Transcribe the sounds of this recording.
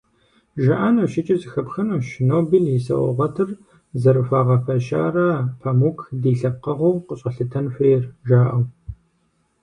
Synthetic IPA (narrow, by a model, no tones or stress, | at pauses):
ʒɐʔaːnɐwʃɪt͡ʃʼɪzɨxɐpxɐnɐːʃnoːbiljisɐ̰ʔɔ̰ʁɐtʰɨr | zɐɾɨfaːʁɐfɐʃa̰ːrɐpʰɐmukʰdiːɬɐqɐʁoːqəɕʼɐɬɨtʰɐnfʷreːrʒaːʔɐw